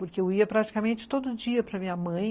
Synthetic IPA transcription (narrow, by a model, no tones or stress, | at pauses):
pʊɾkeewiɐpɾat͡ʃi̥kamẽnt͡ʃɪ̥t̪od̪ʊd͡ʒiɐpɾɐmĩɲɐmɐ̃j̃